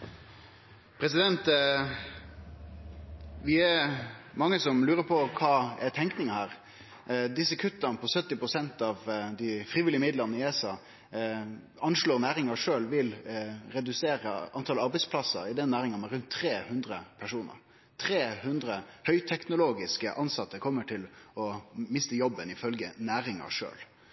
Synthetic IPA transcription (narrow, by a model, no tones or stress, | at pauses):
pʰɾɛsɪd̪ɛnt̪ | ʋɪɛɾmɑŋːəsɔmlʉːɾəpʰɔkʰɑːɛt̪ʰɛŋknɪŋəhæːɾ | d̪ɪsːəkʰʉt̪ːənəpʰɔsœt̪ːɪpɾʊsɛnt̪ɑʋd̪ɪfɾiːʋɪlɪəmɪd̪ləʁnəɪesɑː | ɑnʂloːɾnæːɾɪŋɑʂøːlʋɪlɾɛd̪ʉseːɾəʔɑnt̪ʰɑlɑɾbɛɪspʰlɑsə̰ɾɪd̪ɛnːæːɾɪŋənmɛɾʉnt̪ʰːɾeːhʉnd̪ɾəpʰæʂuːnə̰ɾ | t̪ʰɾeːhʉnd̪ɾəhœʏt̪ʰɛknʊloːɡɪskəʔɑnsɑt̪ːəkʰɔmːəʈʰɪlɔmɪst̪əjɔbːənɪfœlɡənæːɾɪŋɑ̰ʂø̰ːl